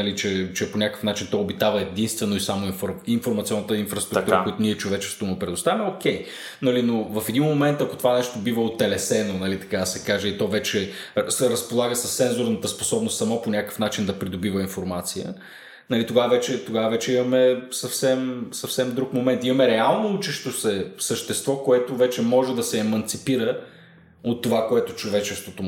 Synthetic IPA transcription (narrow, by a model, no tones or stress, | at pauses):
nɐlit͡ʃɛt͡ʃɛponʲakə̥fnat͡ʃint̪ɔobit̪avəɛd̪inst̪vɛnoisamoinfoɾinfoɾmɐt̪siɔnːət̪əinfɾɐst̪ɾut̪uɾəkoʊjit̪ʊniɛt͡ʃovɛt͡ʃɛ̥st̪vʊmɛpɾɛd̪ʊst̪avimɛokʲɛj | nɐlinovɐfɛd̪inmomɛnt̪ɐkot̪ovanɛʃt̪obivəot̪ːɛlɛsɛnonɐlit̪ɐ̥kad̪ɐsɛkaʒeit̪ɔvɛt͡ʃɛsɛɾəspolˠaɡəsəsːɛnzʊɾnət̪əspo̥sɔbnʊst̪sɐmɔponʲakə̥fn̪at͡ʃind̪ɐpɾid̪obivəinfoɾmat̪sijə̰ | nɐlit̪oɡaəvɛt͡ʃɛt̪oɡavəvɛt͡ʃɛimɐmɛsɐfsɛmsɐfsɛmd̪ɾukmomɛnt̪imɐmɛɾɛalˠnout͡ʃɛʃt̪osɛsəʃt̪ɛst̪vɔkoɛt̪ovɛt͡ʃɛmɔʒɛd̪ɐsɛːmɐnt̪sipiɾə | ot̪ːovakoɛt̪ʊt͡ʃovɛt͡ʃɛst̪vot̪o